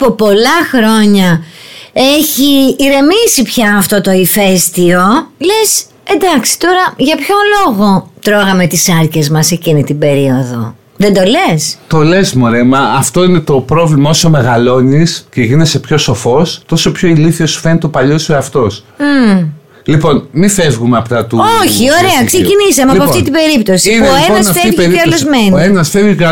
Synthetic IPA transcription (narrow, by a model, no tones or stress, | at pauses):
pupo̞lɐxɾo̞ɲɐ | e̞çiːɾe̞misipçɐːft̪o̞t̪oife̞st̪io̞le̞s | e̞nd̪ɐksi̥t̪o̞ɾɐʝɐpço̞lo̞ɣo̞t̪ɾo̞ɣɐme̞t̪isɐɾce̞zmɐse̞cinit̪ibe̞ɾio̞ðo̞̰ | ðe̞nd̪o̞le̞st̪o̞lesmoɾemɐːft̪o̞ine̞t̪o̞pɾo̞vlimɐosome̞ɣɐlo̞nisceʝinese̞pço̞so̞fo̞st̪o̞sopçoiliθiosu̥fenit̪opɐʎosueɐft̪o̞s̩ | lipo̞nmifevɣumeɐpt̪ɐt̪uoçio̞ɾeɐksecinisɐmeɐpoɐft̪it̪ibe̞ɾipt̪o̞siiineoeonɐsfeeɾiɐlloszmenenɐsfeviɐ